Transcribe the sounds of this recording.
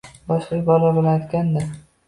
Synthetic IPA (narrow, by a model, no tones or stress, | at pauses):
bɒʃlɪbɒlabolat̪ɡʲand̪ɪ